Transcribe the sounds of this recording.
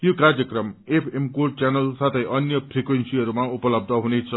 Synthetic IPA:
jokard͡zjʌkrʌmepʰemkort͡sanʌlsat̪ʰʌjʔʌnjʌpʰrikwensiɦʌɾumaupʌlʌb̚d̪ʱʌɦunet͡sʰʌ

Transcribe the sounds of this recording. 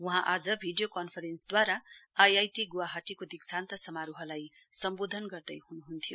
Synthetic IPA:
uɦãʔad͡zʌbʱiɖijokʌnpʰʌɾensd̪waɾaajajʈiɡuwaɦaʈikod̪iksant̪ʌsʌmaɾuɦʌlaj | sʌmbod̪ʱʌnɡʌrd̪ʌjhunuɦunt̪ʰijo

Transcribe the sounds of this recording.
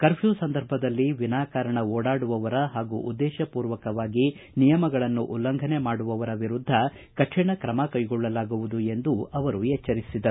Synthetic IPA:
kɐɾpʰjuːsɐnd̪ɐɾbʱɐd̪ɐlːiʋinaːkaːɾɐɳɐoːɽaːɽuʋɐʋɐɾɐɦaːɡuʔud̪ːɛːʃɐpuːɾʋɐkɐʋaːɡi | nijɐmɐɡɐɭɐnːuʔulːɐŋɡʱɐne̞maːɽuʋɐʋɐɾɐʋiɾud̪ʱːɐ | kɐʈʂɛɳɐkɾɐmakɐjɡɔɭːɐlaːɡuʋud̪ue̞nd̪uɐʋɐɾuɛt͡ʃːɐɾisid̪ɐɾu

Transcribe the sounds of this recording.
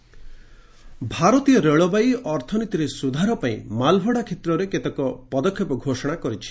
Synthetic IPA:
bʱaɾɔt̪ijɔɾeɭɔbajɔɾt̪ʰɔnit̪iɾesud̪ʱaɾɔpaĩmalbʱɔɽakʰet̪ɾɔɾeket̪ɔkɔpɔd̪ɔkʰːjɔpɔɡʱosɔɽ̃akɔɾit͡ʃʰi̥

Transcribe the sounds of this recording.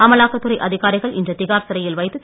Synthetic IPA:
ɐmɐlaːkːɐt̪ːɯɾɐɪʔɐðɪɣaːɾɪɣɐɭʔɪ̰ndrɐt̪ɪɣaːɾsɐɾɐjɪlʋɐɪt̪ːɯ

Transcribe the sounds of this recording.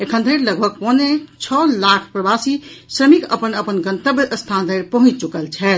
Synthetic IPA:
ekʰənd̪ʱəjɾləɡbʱəɡ̚ponet͡ʃʰɔlakʰpɾəbasisɾəmikə̰pənəpənɡənt̪əbəst̪ʰand̪ʱəjɾpəɦũt͡ʃt͡ʃukəlt͡ʃʰɛt̪

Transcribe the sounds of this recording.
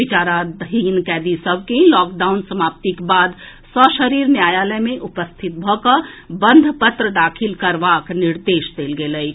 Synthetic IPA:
ɪt͡ʃaːɾad̪əɦiːnkɛːd̪isəb̚keɦĩlɔːk̚ɖaːʊnsəmaːp̚t̪ikebaːd̪ | sɔʃəɾiːɾnjaːjaːləjmẽʔʊpəst̪ʰɪt̪̚bʱɔkabə̃nd̪ʱpət̪ɾəd̪aːkʰɪlkɐɾʋaːknɪɾd̪eːʃd̪eːlɡeːləi

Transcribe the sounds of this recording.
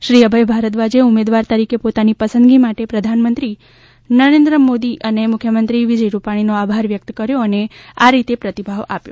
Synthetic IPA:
ʃɾiəbʱəjbʱaɾət̪ʋad͡ʒeumed̪ʋaɾt̪əɾikepot̪anipəsənd̪ɡimaʈepɾəd̪ʱanmə̃nt̪ɾi | nəɾend̪ɾəmod̪iʔənemʊkʰjəmənt̪ɾiʋid͡ʒəjɾupaɽ̃inoabʱaɾʋjək̚t̪kəɾjoəneaɾit̪epɾət̪ibʱaʋa̰pjo̰

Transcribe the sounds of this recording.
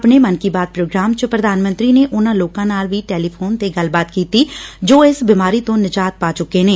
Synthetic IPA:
ɐpnemənkibaːt̪̚pɾoːɡɾaːmt͡ʃəpɾəd̪ʱaːnmə̃nt̪ɾineʔʊnãːloːkãnaːlʋiʈeːliːpʰoːnt̪eɡəlbaːt̪kiːt̪id͡ʒoːɪsbɪmaːɾiːt̪õːnɪd͡ʒaːt̪̚paːt͡ʃʊkenẽː

